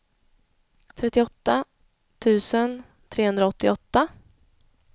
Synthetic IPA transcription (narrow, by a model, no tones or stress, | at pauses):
t̪ʰɾɛt̪ːɪɔt̪ːa | t̪ʰʉ̟ːsən | t̪ʰɾeːɵnd̪ɾaɔt̪ːɪɔt̪ːa